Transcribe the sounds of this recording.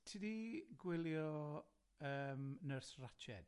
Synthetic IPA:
tʰidiɡwɪlˠjɔ | əːmnərsrat͡ʃʰɛ̰d̥

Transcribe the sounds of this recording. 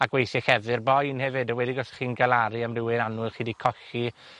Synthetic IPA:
aɡ̥wejθɛxɛvɨrbɔjnhɛvɨdɔwɛdiɡɔsχiːnɡalˠaɾiamrɪwɪɾanʊlˠχiːdikʰɔɬi

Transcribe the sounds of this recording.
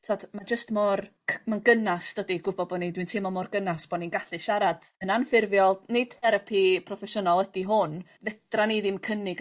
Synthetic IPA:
tʰadmad͡ʒəstmɔrʰ | manɡənasd̥ədiɡʊbɔbɔnidwintʰɪmɔmɔrɡənasb̥ɔninɡaɬɨʃaɾad̥ənanfɪrvjɔlˠnɪd̥θɛɾapʰipʰrɔfɛʃʊnalˠədiɦʊn | vɛd̥raniðimkʰənɪɡ

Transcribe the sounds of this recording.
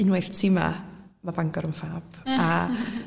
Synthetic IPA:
ɨnwejθtʰiːma̰ | mabaŋɡɔɾəmfaːb̥a

